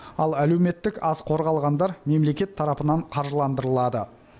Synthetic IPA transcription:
ɑlˠæle̞wme̞t̪ːɪkɑzqʰo̞ɾʁɑlˠʁɑnd̪ɑɾme̞mle̞kʲe̞t̪ʰːɑɾɑpənɑɴqʰɑɾʒəlˠɑnd̪əɾəlˠɑd̪ə̰

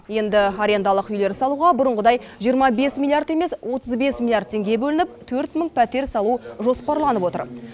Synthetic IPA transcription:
je̞nd̪ɪaɾʲe̞nd̪ɑlˠəqʏjle̞ɾsɑlˠuʁɑbʊɾəɴʁəd̪ɑjʒijəɾmɑbe̞smilˠijard̪e̞meswʔo̞t̪əzbe̞smilˠjard̪̚t̪ʰːe̞ŋɡʲe̞bɵlɪnɪp̚t̪ʰɵɾt̪məŋpʰæt̪e̞ɾsɑlˠuʒo̞spɑɾlˠɑnəpwo̞t̪ə̰ɾ

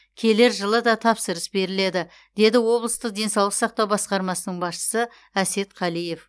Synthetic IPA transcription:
kʲʰe̞le̞ɾʒəlˠəd̪ɑt̪ʰɑpsəɾəsbe̞ɾɪle̞d̪ɪ | d̪̥e̞d̪ɪwo̞blˠəst̪əq̚d̪e̞nsɑwlˠəqsɑq̚t̪ɑwbɑsqɑɾmɑsənəɴbɑsʃə̥sə | æse̞t̪qʰɑlˠije̞f

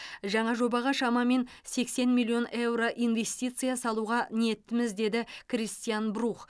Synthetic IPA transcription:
ʒɑɴɑʒo̞bɑʁɑʃɑmɑme̞n | se̞kse̞nmʲilʲˠːio̞nʔe̞wɾo̞ʔijnve̞st̪ʲijt̪sɨjasɑlˠuʁɑnije̞t̪ːɪmɪzd̪e̞d̪ɪkʰɾʲist̪ijanbɾuχ

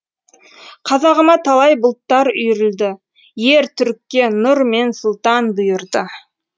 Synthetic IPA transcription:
qʰɑzɑʁəmɑt̪ʰɑlˠɑjbʊlˠt̪ːɑɾʏjɾɪld̪ɪ | je̞ɾt̪ʰʏɾkʲːe̞nʊɾme̞nsʊlˠt̪ɑnbʊjəɾd̪ə

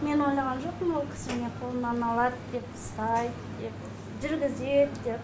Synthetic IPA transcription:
me̞no̞jlˠɑʁɑnʒo̞q̚pənwo̞lˠkʲʰɪ̥sɪmɪneqʰolˠənɑnɑlˠɑd̪d̪e̞pəst̪ɑj | d̪e̞p | ʒʏɾɡʲɪzet̪d̪e̞p̚

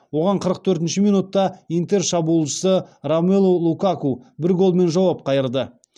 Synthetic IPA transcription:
wo̞ʁɑɴqʰəɾəq̚t̪ʰɵɾt̪ɪnʃɪmijnut̪ːɑijnt̪e̞rʃɑbuəlˠʃə̥səɾamelˠolˠukakubɪɾɡo̞lˠme̞nʒɑwɑp̚qʰɑjəɾd̪ə

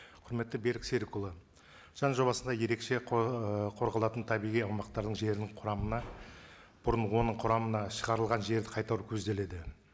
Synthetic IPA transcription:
qʰʊɾme̞t̪ːɪbe̞ɾɪkseɾkulˠə | ʒ̥ɑnʒo̞bɑsənd̪ɑje̞ɾe̞kʃe̞ | qʰo̞ɾʁɑlˠɑt̪ənt̪ʰɑbijʁijɑwmɑq̚t̪ɑɾd̪əɴʒe̞ɾɪnɪɴqʰʊɾɑmənɑ | b̥ʊɾənwo̞nəɴqʰʊɾɑmənɑʃəʁɑɾəlˠʁɑnʒe̞ɾd̪ɪqʰɑjt̪ɑɾukʲʰɵzd̪e̞le̞d̪ɪ

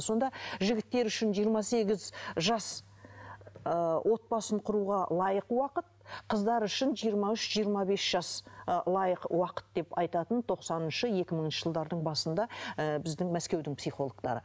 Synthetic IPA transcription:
so̞nd̪ɑʒɪɡʲɪt̪ːe̞ɾʏʃɪnʒijəɾmɑse̞ɡʲɪzʒɑs | əwʔo̞t̪̚bɑsəɴqʰʊɾuʁɑlˠɑjəqwɑqət̪̚qʰəzd̪ɑɾʏʃɪnʒijəɾmɑʏʃʒijəɾmɑbe̞sʒ̥ɑslˠɑjəqwɑqə̥t̪̚d̪e̞pɑjt̪ɑt̪ənt̪ʰo̞qsɑnənʃəe̞kʲɪməɴənʃəʒəlˠd̪ɑɾd̪əɴbɑsənd̪ɑəbɪzd̪ɪŋmæskʲe̞wd̪ɪŋpsiχo̞lˠoɡt̪ɑ̰ɾə̰

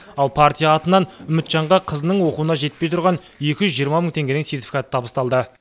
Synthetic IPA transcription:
ɑlˠpʰart̪ʲijaːt̪ənɑnʏmɪt̪ʃɑɴʁɑqʰəzənəɴwo̞quwənɑʒe̞t̪̚pe̞jt̪ʰʊɾʁɑn | e̞kʲɪʒʏzʒijəɾmɑməŋt̪ʰe̞ŋɡʲe̞nɪŋse̞rt̪ʲi̥fikat̪ə̥t̪ʰɑbəst̪ɑlˠd̪ə

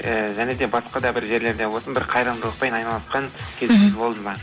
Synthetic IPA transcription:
əʒæne̞d̪e̞bɑsqɑd̪ɑbɪɾʒe̞ɾle̞ɾd̪ewosənbɪɾqʰɑjɾəlˠd̪əlˠəq̚pɑjnɑjnɑlˠɑsqɑŋkʲʰe̞zɪenbo̞lˠd̪əmɑ

